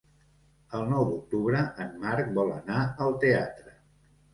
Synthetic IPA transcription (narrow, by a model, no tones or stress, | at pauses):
əlˠnɔwd̪uk̚t̪uβɾəʔəmmaɾk̚bɔlˠə̰naəlˠt̪eat̪ɾə